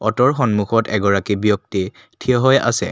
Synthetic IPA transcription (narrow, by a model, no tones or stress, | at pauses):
ɔtɔɹxɔnmuxɔtʰɛɡɔɹakibijɔk̚ti | tʰijɔɦɔja̰sɛ̰